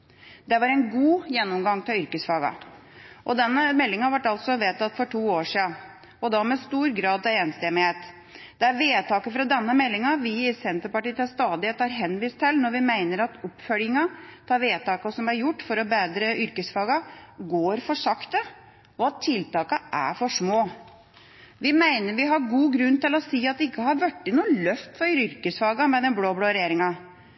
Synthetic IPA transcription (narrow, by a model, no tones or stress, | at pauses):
d̪ɛʋɑɾɛɪnɡuːjɛnːɔmɡɑŋt̪ʰɪlʏɾkəsfɑːɡɑ̰ | ʔɔd̪ɛnːəmɛlːɪŋɑʋæʈːɑlt̪sɔʋeːt̪ʰɑt̪fɔʈʰuːoːʂiːɑ | ɔd̪ɑmɛst̪uːɾɡɾɑːd̪̚t̪ɛɛnst̪emɪheːt̪ | d̪̥ɛæɾʋeːt̪ʰɑːkəfɾɑd̪ɛnːəmɛlːɪŋɑʋɪɪsɛnt̪əpɑʈiːt̪ɑst̪ɑːd̪ɪt̪ɑɾɦɛnːʋiːst̪ʰːɪlnɔɾʋɪmæɪnəɾɑt̪ɔpːfœljɪŋɑt̪ʰɑːʋeːt̪ɑːkəsɔmæɾjʊʈːfɔɾɔbeːd̪ɾəʔʏɾkəsfɑːɡɑɡoːɾfɔʂɑkt̪ə | ɔɑt̪ʰːɪlt̪ɑːkəʔæ̰fɔʂmoː | ʋɪmæɪnəɾʋɪɦɑɾɡuːɡɾʉnt̪ɪlɔsiːɑt̪̚d̪ɛɪkːəhɑɾʋæʈːɪnuːlœft̪fɔɾɾʏɾkəsfɑːɡɑmɛnɛbloːbloːɾɛjeːɾɪŋɑ